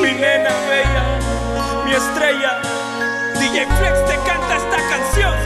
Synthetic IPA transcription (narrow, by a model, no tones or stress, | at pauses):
inenaβeja | miest̪ɾeja | d̪ijeŋflekst̪ekant̪est̪akansjoŋ